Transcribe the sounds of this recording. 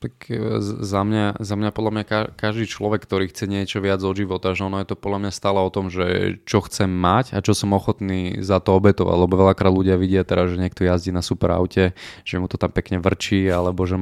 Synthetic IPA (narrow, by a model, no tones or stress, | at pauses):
t̪akzamɲazamɲapɔd̪lamɲakakaʒd̪iːt͡ʃlɔʋɛkːt̪ɔɾiːxt͡sɛɲɪɛt͡ʃɔʋɪad͡zɔʒiʋɔt̪aʒɛɔnɔjɛt̪ɔpɔd̪lamɲast̪aːlɛɔt̪ɔmʒɛ̰t͡ʃɔxt͡sɛmːacat͡ʃɔsɔmɔxɔt̪niːzat̪ɔɔbɛt̪ɔʋa̰ɟlɛbɔʋɛʎakɾaːd̪luɟɪaʋiɟɪat̪ɛɾazʒɛɲɪɛk̚t̪ɔjazɟiːnasupɛɾa̰ʊcɛʒ̥ɛmut̪ɔt̪ampɛkɲɛʋr̩t͡ʃiːalɛbɔʒɛ